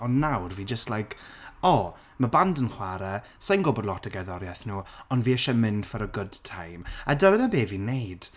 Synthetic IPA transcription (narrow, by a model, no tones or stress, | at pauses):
ɔnnːawrviːd͡ʒəstlˠajkʰɔ | məbandənχwaɾɛ | sajnɡɔbɔdˡlˠɔtʰəɡɛðɔɾjɛθnuːɔndviːɛʃɛmɪnfəɾəɡʊd̥tʰajmadəwɛnəbeːviːnejd̥